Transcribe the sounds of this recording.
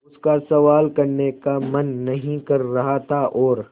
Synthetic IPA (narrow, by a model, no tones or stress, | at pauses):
ʊskasɐʋaːlkɐɾnekamɐnːɐɦĩkɐɾːɐɦat̪ʰaʔɔːɾ